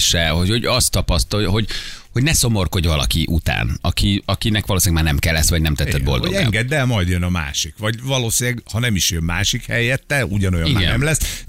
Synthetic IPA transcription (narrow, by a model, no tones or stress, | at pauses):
ʃɛɦoho̞ɟɒst̪ːɒpɒst̪ɒjɦo̞ɟho̞ɟnɛso̞morko̞ɟvɒlɒ̰kiʔut̪a̰ːnɒkʰiɒkinɛkʋɒloːsinlɡmaːrnɛmkɛlːɛsːʋɒɟnɛmt̪ɛt̪sːɛd̪bo̞̰ldo̰ɛŋɡɛd̪ːɛlmɒjd̪jønɒma̰ːʃikʋɒɟvɒloːsinɛɡhɒnɛmiʃjømmaːʃikhɛjɛt̪ːɛuɟɒnojɒmiɡɛ̰nɛmlɛs